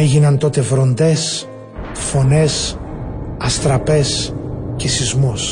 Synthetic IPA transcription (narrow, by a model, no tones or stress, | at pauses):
eʝinɐnt̪o̞t̪e̞vɾo̞nd̪e̞s | fo̞ne̞s | ɐst̪ɾɐpe̞scesizmus